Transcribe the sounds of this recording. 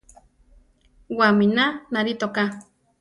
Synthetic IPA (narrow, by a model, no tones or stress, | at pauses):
waminanaɾit̪oka